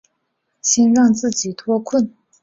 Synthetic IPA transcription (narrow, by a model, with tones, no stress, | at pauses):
ɕʰɛ˥nɹɑ˥˨ŋt͡sɹ̩˥˨t͡ɕi˨t̪ʰɔ˥˨kʰu˥˨n